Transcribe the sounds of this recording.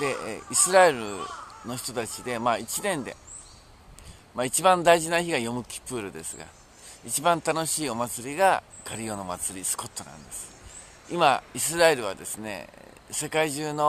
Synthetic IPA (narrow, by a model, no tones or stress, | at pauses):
d̪e̞isɨɾae̞ɾɯ̟̰no̞çi̥t̪o̞t̪at͡ɕid̪e̞mait͡ɕinẽ̞nd̪e̞̰ | mait͡ɕibãnd̪aiʑinaçiɡajo̞mɯ̟kʲi̥pːɯːɾɯ̟d̪e̞sɨɡa̰ | it͡ɕibãnt̪ano̞ɕiːo̞mat͡sɨɾʲiɡa | kaɾʲio̞no̞mat͡sɨɾʲisɨ̥ko̞t̪ːo̞nã̰nd̪e̞sɨ̥ | ima̰is̬ɨɾae̞ɾɯ̟β̞ad̪e̞sɨne̞̰ | se̞kaiʑɨːno̞